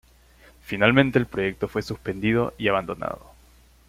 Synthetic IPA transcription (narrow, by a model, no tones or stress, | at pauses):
finalmẽ̞nt̪e̞ːlpɾoʝe̞k̚t̪o̞fwe̞suspe̞nd̪ið̞o̞ʔiaβ̞and̪o̞na̰ð̞o̰